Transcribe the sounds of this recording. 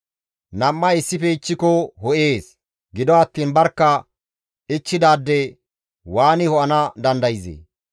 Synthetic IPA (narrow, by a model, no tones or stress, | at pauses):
nɐmːɐɪsːɪfɛɪt͡ʃːɪkɔhɔʔe̞ːs | ɡɪd̪ɔɐt̪ːiːnbɐɾkːɐ | ɪt͡ʃːɪd̪aːd̪ːɛ | waːnɪhɔʔɐnɐd̪ɐnd̪ɐjzḛː